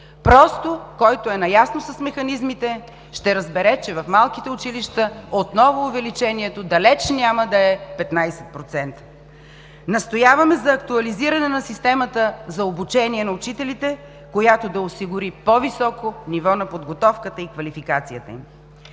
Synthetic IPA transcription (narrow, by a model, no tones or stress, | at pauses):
pɾɔst̪okɔjt̪oɛnɐjasnosɐsmɛxɐnizmit̪ɛ | ʃt̪ɛɾəzbɛɾɛt͡ʃɛvɐfmalˠkit̪ɛʊt͡ʃiliʃt̪əot̪nɔvʊːvɛlit͡ʃɛniɛt̪od̪ɐlɛt͡ʃnʲaməd̪ɐɛpɛt̪najsɛt̪̚pɾot̪sɛnt̪ə̥ | nɐst̪ojavɐmɛzɐːkt̪uɐliziɾɐnɛnɐsist̪ɛmɐt̪əzɐobut͡ʃɛniɛnɐʊt͡ʃit̪ɛlit̪ɛ | kojat̪od̪ɐosiɡʊɾipovisɔkonivɔnɐpod̪ɡot̪ɔfkət̪əikvɐlifikat̪sijət̪ə̰im